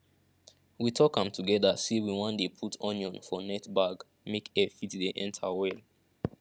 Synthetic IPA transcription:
witʰɔkãmtʰuɡɛðasiwiwãndepʰutʰɔ̃njɔ̃nfɔnɛtbaɡ | mekefitdeʔɛ̃ntʰawɛl

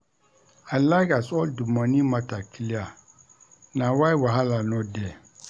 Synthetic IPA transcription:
alaɪkasɔldumãnĩmãtʰakʰilia | nãwaiwaɦalanɔ̃dɛ

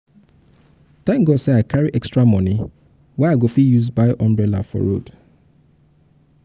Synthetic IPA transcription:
tãŋɡɔseaɪkʰaɹiʔɛkstɹamɔ̃ni | wɛaɪɡofijuzbaɪʔɔ̃mbɹɛla̰fɔ̰ɹo̰d̥

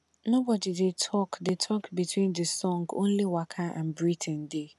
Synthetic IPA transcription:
nobɔdidetʰɔkdetʰɔkbitʰwĩndəsɔ̃ŋɡõ̰nliwakʰaʔãnbɹitʰɛ̃nde

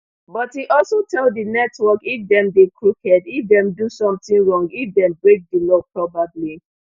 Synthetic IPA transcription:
bɔthiʔɔlsotʰɛldinɛtwɔkifdɛ̃mdekʰɹukɛdifdɛ̃mdusɔ̃mtĩnɹɔ̃ŋɡifdɛ̃mbɹek̚dilɔpɹɔbabli

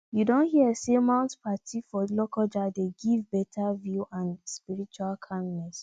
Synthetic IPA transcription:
judõnhiəesemãʊ̃ntpʰatʰifɔlɔkɔd͡ʒadeɡivbɛtʰavjuʔãnspiɹit͡ʃualkʰãndnɛs

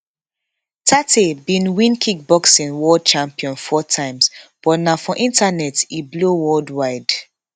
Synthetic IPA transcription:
tʰatʰebĩnwĩnkʰik̚bɔksĩnwɔd̚t͡ʃãmpiɔ̃nfɔtʰãɪ̃msb̥ɔtnafɔ̃ʔĩntanɛtiblowɔldwaɪd

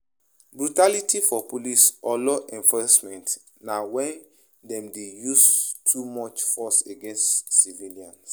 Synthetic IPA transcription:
bɹutalitifɔpolisɔlɔʔɛ̃ɱfɔsmɛ̃nt | nawɛ̃n | dɛ̃mdejustʰumɔt͡ʃfɔseɡɛ̃nstːiviliãns

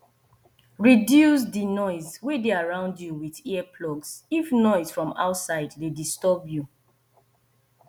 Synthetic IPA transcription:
ɹidjus̬dinɔɪzwedeaɹãʊ̃ndjuwiðiɛpʰlɔɡsifnɔɪsfɹɔ̃ma̰ʊtsaɪddedistɔbju

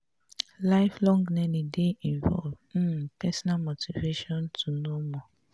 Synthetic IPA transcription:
laɪflɔ̃ŋɡnɛnideiɱvɔ̰lv̩pɛsɔnamotiveʃɔ̃ntunomɔ

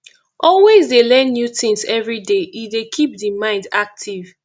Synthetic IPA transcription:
ʔɔlwezdelɛ̃nːjutĩŋsɛvɹideidekʰip̚dimãɪ̃ndak̚tʰiv̥

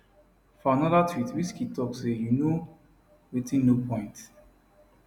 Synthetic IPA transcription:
fɔanɔðatʰwitwiskitɔksejuno | ɹetĩnnopʰɔ̃ɪ̃nt

